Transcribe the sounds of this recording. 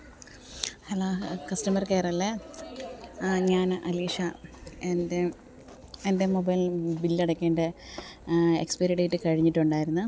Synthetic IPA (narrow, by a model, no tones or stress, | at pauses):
hɐloːkɐsʈɐmɐrkeːrɐlːe | ɲaːnʔɐliːʂɐende | ende̞mobɐjbilːeɽɐkʲːe̞ːɳɖe | ḛkspeɾiɽejʈːɨkɐɻiɲːiʈːuɳɖaːjiɾunːu